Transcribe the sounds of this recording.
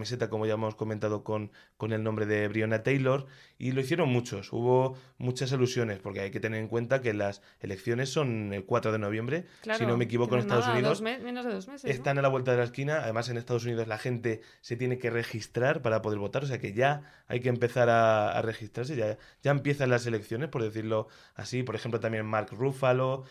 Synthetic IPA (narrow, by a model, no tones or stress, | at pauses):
mese̞t̪akomo̞ʝaemo̞sko̞mẽnt̪að̞o̞konko̞ne̞lnõmbɾe̞ðe̞βɾionat̪ejlo̞ɾḭloiθje̞ɾo̞nmut͡ʃo̞sṵβo̞mut͡ʃas̬alusjo̞ne̞spo̞ɾke̞ajke̞t̪ene̞ɾe̞ŋkwe̞nt̪ake̞las | e̞le̞kθjo̞ne̞sːo̞ne̞lkwat̪ɾo̞ð̞e̞no̞β̞je̞mbɾe̞ | sino̞mekiβo̞konest̪aðos̬uniðosnozðeesest̪analaβwe̞lt̪aðelaeskinaːðe̞mas̬e̞nest̪aðosuniðo̞zlaxe̞nt̪e̞ | se̞t̪je̞ne̞ke̞re̞xist̪ɾaɾpaɾapo̞ðe̞ɾβo̞t̪aɾo̞s̬e̞ake̞ʝa | a̰jkeːmpe̞θaɾaa̰re̞xist̪ɾaɾs̬e̞ʝa | ɟ͡ʝaempje̞θanlas̬e̞le̞kθjo̞nespoɾðe̞θiɾlo̞ | a̰sipo̞ɾe̞xe̞mplot̪amje̞nmaɾkrufalo̞